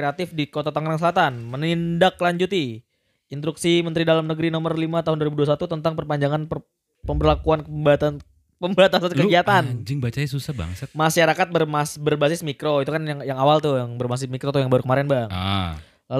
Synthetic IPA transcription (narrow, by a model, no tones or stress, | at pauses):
kɾeat̪ɪfdikot̪at̪aŋɾaŋs̬əlat̪anmənindaklaɲd͡ʒut̪i | int̪ɾuksimənt̪ɾidalamnəɡɾinomərlimat̪aɦʊnduaɾibuduas̬at̪ut̪ənt̪aŋpərpaɲd͡ʒaŋanp | pəmbərlakuanbat̪a | pəmbat̪asankəɡiat̪and͡ʒɪŋbat͡ʃajasusahba̰ŋsəmaʃaɾakat̪̚bərmasbərbasɪsmikɾoit̪ukanjaŋjaŋawalt̪ujaŋbərbas̬ɪsmikɾot̪ujaŋbaɾukəmaɾɛnbaŋ | la